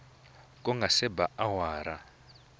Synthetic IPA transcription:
kʼɔŋɡʱasɛbaawaːɾa

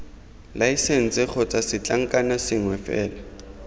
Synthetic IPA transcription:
laisen̩t͡sɪk͡xʰɔt͡sʼasɪt͡ɬʼaŋ̩kʼanasɪŋwɛfɛːla

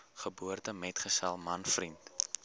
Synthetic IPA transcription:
χəbuərtəmɛtχəsɛlˠmɐnfrint

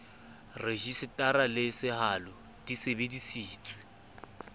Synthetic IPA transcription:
reʒisɪtʼaɾalɪsɪhalʊ | d̥isebedisiːt͡sʼwɛ

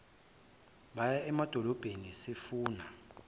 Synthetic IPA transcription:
ɓajaɛmad̥ʱɔlɔb̥ʱenisefuːna

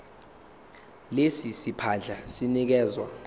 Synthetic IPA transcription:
lesisipʰand͡ɮʱasinik̬ɛːzwa

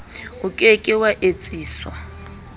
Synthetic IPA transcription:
ʊkʼekʼɪwaʔet͡sʼiːsɔ̰

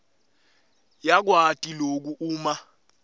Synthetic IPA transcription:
jak̬watʼilok̬uuːma

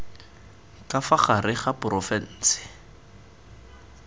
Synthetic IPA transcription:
kʼafaχarɪχapʊrɔfɛn̩ːsɪ̥

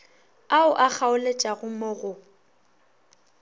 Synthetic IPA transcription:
aʊʔak͡xʰaʊlet͡ʃʼaɣʊmoɣʊ

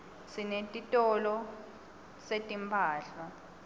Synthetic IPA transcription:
sinetʼitʼɔlɔ | setʼimpʰaːɬa

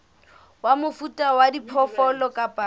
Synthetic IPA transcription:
wamʊfutʼawadipʰɔfɔlɔkʼapʼa

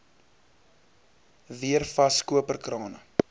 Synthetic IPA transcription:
viərfɐskuəpərkrɑːnə̰

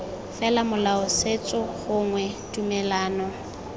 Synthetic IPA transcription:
fɛlamʊlaʊset͡sʼʊɣʊŋwɛtʼumɛlaːnɔ

